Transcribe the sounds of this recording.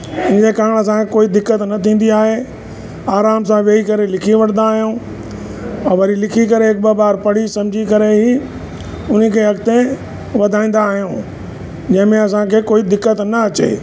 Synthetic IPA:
ɪ̃nd͡ʑekaːɪɽ̃ɐs̬ãekoːid̪ɪkːət̪nɐt̪ʰĩːn̆d̪iaːɦe | aːɾaːmsãʋeːikɐɾelɪkʰiʋɐʈʰənd̪aːɦijũ | ɛ̃ʋɐɾilɪkʰikɐɾeɦɪk̚bɐbaːɾpɐɽ̤isɐ̃md͡ʑʱikɐɾeɦi | ʊn̤əkʰeːɦɐkt̪ẽ | ʋɐd̪ʱãːĩːn̆d̪aːɦijũ | d͡ʑɐ̃ɦɪ̃mẽɐsãkʰeːkoːid̪ɪkːət̪nɐɐt͡ɕḛː

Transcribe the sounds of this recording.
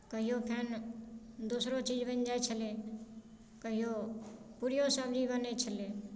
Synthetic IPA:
kəɦijoːpʰeːn | d̪usɾot͡ʃiːd͡ʒbənd͡ʒaːet͡ʃʰəleː | kəɦɪjoːpuɾijosəbd͡ʒibənet͡ʃʰəleː

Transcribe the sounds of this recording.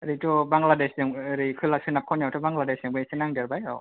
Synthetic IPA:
ɾitʰɔbaŋɡladesdɯŋːɾikʰɯlak̚sʰɯnap̚kʰawnjawtʰɔbaŋɡladesiŋbɯsinaŋdaɾbajɔ

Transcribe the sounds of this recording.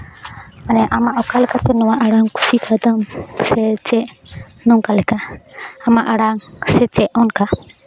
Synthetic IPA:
manɛʔamaʔɔkalɛkat̪ɔnɔwaʔaɽaŋku̥sikʰad̪amsɛt͡ʃɛʔ | nɔŋkalɛkaamaʔaɽaŋsɛt͡ʃɛʔɔnka

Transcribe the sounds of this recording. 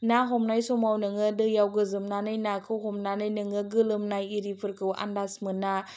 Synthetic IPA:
naɦɔmnajsɔmawnɯŋɯdɯjawɡɯzɯmnanɯjnakʰɯwɦɔmnanɯjnɯŋɯɡɯlɯmnajiɾipʰɯɾkʰɯwa̰ndasmɯnːa

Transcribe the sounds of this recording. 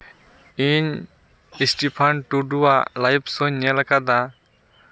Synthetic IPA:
iɲ | isʈipʰanʈuɖuwalajpsɔɲːɛlakad̪a

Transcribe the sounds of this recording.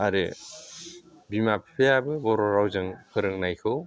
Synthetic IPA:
aɾe | bimapʰipʰejabɯbɔɾɔɾawzɯŋkʰɯɾɯŋnajkʰɯw

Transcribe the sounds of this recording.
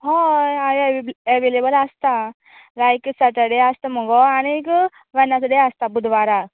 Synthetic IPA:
ɦɔ̃ajəʋelebəlast̪a | lajksəʈ̪əɽeast̪əməɡɔañik | ʋɛnːasəɽeast̪abud̪ʋaɾa

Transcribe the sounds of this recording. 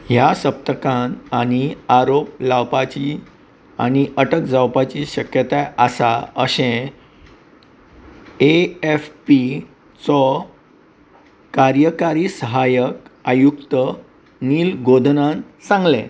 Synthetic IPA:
ɦjasəp̚t̪əkãnaɽ̃iaɾop̚lawpat͡ɕi | a̰ñiʔəʈəkd͡zawpat͡ɕiɕəkjət̪aasaəɕẽ | eefpi | t͡sɔ | kaɾjəkaɾiːsəɦajəkajukt̪ə | niːlɡod̪ʱnãnsãŋɡlẽ

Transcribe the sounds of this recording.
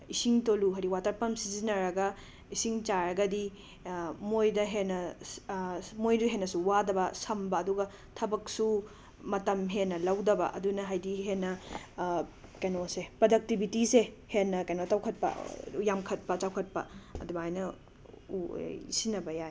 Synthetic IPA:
isiŋtoluɦɐɾiwatɐɾpɐmsizinɐɾɐɡɐ | isiŋt͡ʃaɾɐɡɐdi | mojdɐɦenːɐ | mojduɦenːɐsuwadɐbɐsɐmbɐːduɡɐ | tʰɐbɐksu | mɐtɐmɦenːɐlɐwdɐbɐ̰ʔɐ̰dunɐɦajdiɦenːɐ | kɐjnosepɾodɐk̚tibitise | henːɐkɐjnotawkʰɐt̚pɐ̰jamkʰɐt̚pɐt͡ʃawkʰɐt̚pɐ̰ɐ̰dubajnɐ | ṵḭsinɐbɐjaj

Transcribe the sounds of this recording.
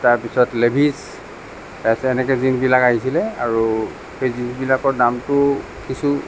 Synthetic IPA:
taɹpisɔtlebʱis | tajsɛːnɛkɛzinbilakaɦisilɛa̰ɹu | hezinbilakɔɹdamtʊ | kisu

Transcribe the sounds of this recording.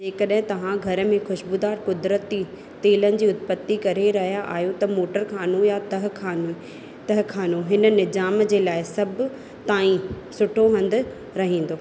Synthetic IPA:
d͡ʑeːkɐɗɦɪ̃t̪ɐʋ̤ãɡʱɐɾə̆mẽxʊʃbud̪aːɾkʊd̪ɾət̪i | t̪eːlənɪ̆d͡ʑiːʊt̪pət̪ːikɐɾeɾɐɦijaʔaːjut̪ɐmoːʈəɾkʰaːnojat̪ɐɦkʰaːn | t̪ɐɦkʰaːnoɦɪnə̆nɪzaːmd͡ʑeːlaːɪsɐb | t̪aːĩ | sʊʈʰoɦɐ̃nd̪ɪ̆ | ɾɐɦĩːn̆d̪oː

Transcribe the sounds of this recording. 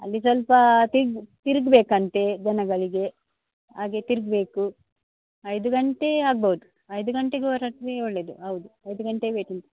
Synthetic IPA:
ɐ̰lːis̬ʋɐlpɐt̪iɾɡt̪iɾɡbeːkɐnt̪e̞d͡ʒɐnɐɡɐɭiɡe̞ | aːɡet̪iɾɡ̚be̞ːku | ɐjd̪uɡɐɳʈe̞aːɡ̚bɐud̪u | ɐjd̪uɡɐɳʈeɡeɐɾaʈɾeoɭːe̞ːd̪uɦɐwd̪uɐjd̪uɡɐɳʈebeːʈint̪ɐ

